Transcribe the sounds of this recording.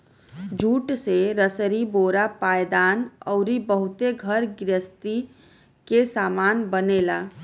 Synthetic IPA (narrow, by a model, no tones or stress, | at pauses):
d͡ʒʱuːʈseɾəsəɾiboːɾapaːjd̪aːnɔʊɾibəɦʊt̪eɡʱəɾɡɾəst̪i | kesaːmaːnbəneːlaː